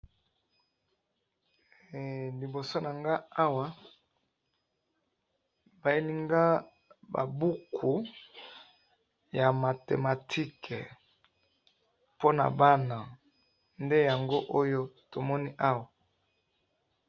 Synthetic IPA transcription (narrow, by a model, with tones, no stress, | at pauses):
li˨bo˨so˦na˨ŋɡa˦a˦wa˦ | ba˨e˦li˦ŋɡa˦ | ba̰˨bu˦kʰu˨ | ja˨ma˨tḛ˨ma˨tʰi˦kʰɛ˨ | po˦na̰˨ba˦na˨ | nde˦ja˨ŋɡo˦ʔo˦jo˦to˨mɔ˦ni˦ʔa˦wa˨